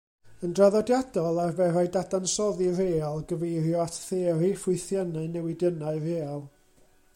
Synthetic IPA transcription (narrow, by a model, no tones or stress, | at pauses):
əndraðɔdjadɔlˠarvɛɾajdadansɔðireːalˠɡəvejɾjɔatʰθeːɾifʊɨθjanaɨnɛwɪdənaɨreːaɔlˠ